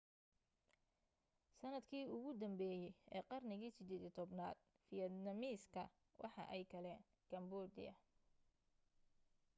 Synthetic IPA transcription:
sɐnɐd̪kʰiːʊɣʊd̪ɐmbɛːjɛjɛ̰ːqɑrnɪɣiːsɪd̪ɛːd̪ɪt̪ʰɔbnaːd̪̚ | fɪjɐd̪nɐmiːskʰɐ̰ | wʔɑ̰ħɑ̰ʔɛjkʰɐlɛːn | kʰɐmbɔːd̪ɪ̰jɐ̰

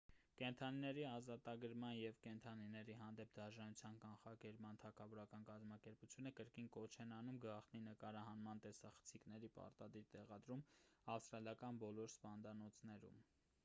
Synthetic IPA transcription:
kɛnt̪ʰɑninɛɾiɑzɑt̪ɑɡəɾmɑnjɛvkɛnt̪ʰɑninɛɾiɦɑnd̪ɛp̚ʰd̪ɑʒɑnut͡sʰjɑnkɑnχɑkɛɾpmɑnt̪ʰɑkʰɑvɔɾɑkɑnkɑzmɑkɛɾput͡sʰjunəkəɾkinkɔt͡ʃʰɛnɑnumɡɑχt̪ninəkɑɾɑɦɑnmɑnt̪ɛsɑχə̥t͡sʰiknɛɾipɑ̰ɾt̪ɑd̪iɾt̪ɛʁɑd̪ɾumɑfst̪ɾɑljɑkɑnbɔlɔɾspɑnd̪ɑnɔt͡sʰnɛɾṵm

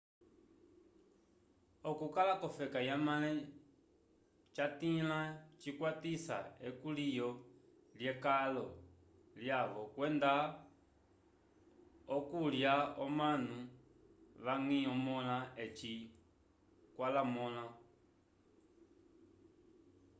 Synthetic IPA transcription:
ɔkukalakɔfɛkajamalɛ | t͡ʃatilat͡ʃikwatisa̰ɛkulijɔ | ljɛkalɔ | ljaβɔkwɛnd̪a | ɔkuljaɔmanu | ʋaŋiɔmɔlaɛt͡ʃi | kwalamɔla

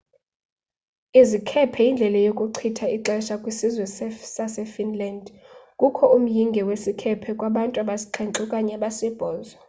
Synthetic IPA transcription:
izikʰɛpʰɛjind͡ɮʱɛlajokʼuǀʰitʰaiǁɛʃakʼwisizwɛssasɛfinlandkʼukʰɔum̩jiŋɡʱɛwesikʰɛpʰɛkʼwaɓantʼuaɓasi̥ǃʰɛŋǁʼukʼaɲɛɓasɛb̥ʱɔːzɔ

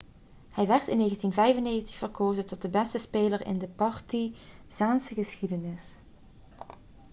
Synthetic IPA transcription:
hɛjʋɛɹtɪnːeːɣəntinvɛjvənːeːɣəntə̥χfərkoːzəntɔt̚dəbɛstəspeːləɹɪ̰ndəpɑɹtiz̥aːnsəɣəsxidənɪs

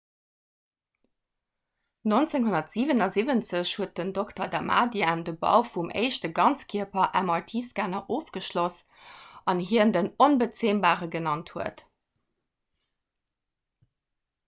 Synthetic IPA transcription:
nont͡seŋɦonɐtz̥iːvənɑziːvənt͡səɕhuət̚dəndoktɐdama̰ːdiandəbɑ̰ʊfumʔḛɪʃtəɡɑnt͡skʰiəpɐʔæ̰mɑltʰiːskaːnɐʔoːfɡ̥əʃlos | ɑnɦiəndənonbət͡seːmbaːʁəɡənɑnthuət

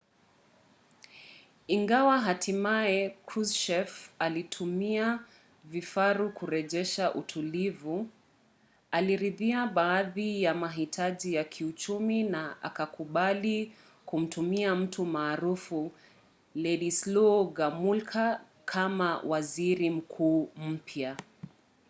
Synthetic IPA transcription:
iŋɡawaɦatimaɛkʰɾusʃɛfalitʰumia | vifaɾukuɾɛʄɛʃaʔutʰulivu | aliɾiðiaɓaːðijamaɦitʰaʄijakʰiut͡ʃuminaa̰kakuɓali | kum̩tumiam̩tumaːɾufu | lɛɗislɔɡamulkʰa | kʰamawaziɾim̩kʰuːm̩pʰja

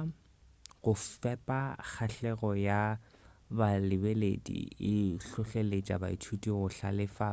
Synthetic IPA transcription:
ɣʊfɛpʼak͡xʰaɬɛɣɔja | balɪbeledḭɪɬʊɬelet͡ʃʼa̰ba̰it͡ʃʰutʼiɣʊɬa̰lɪfa

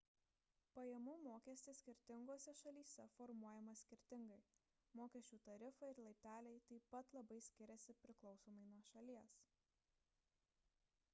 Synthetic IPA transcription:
pɐjɛmumoːkʲɛsʲt̪ʲɪsʲkʲɪɾʲt̪ʲɪŋɡoːsʲɛʃɐlʲiːsʲɛfɔɾmuɔjɛmɐsʲkʲɪɾʲt̪ʲɪŋɡɐɪ | moːkʲɛsʲt͡ʃʲuːt̪ɐɾʲɪfɐɪɾlˠɐɪp̪ʲæːlʲɛɪt̪ɐɪpɐt̪lˠɐbɐɪsʲkʲɪɾʲɛsʲɪpʲɾʲɪklˠɒʊsoːmɐɪnuɔʃɐlʲiɛs

